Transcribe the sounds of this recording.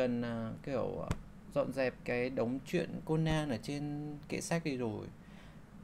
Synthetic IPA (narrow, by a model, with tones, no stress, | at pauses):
ə˨˩nː˨˩ki˧˩əw | zɔ̰˧˨nzɛ˨˩p̚kaː˨˦jɗə˨˦wŋ͡mt͡ɕwḭ˧˨ənko˧naː˧nəː˨˩t͡ɕe˧nkḛ˧˥sa˦˥k̚ɗi˧zo˨˩j